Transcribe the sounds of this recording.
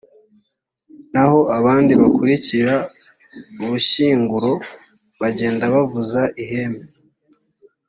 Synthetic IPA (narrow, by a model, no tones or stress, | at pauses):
naho̞aβaːndiβakuɾiciɾa | uβuʃiːŋɡuɾo̞ | βaɟe̞ːndaβavuzaʔihe̞me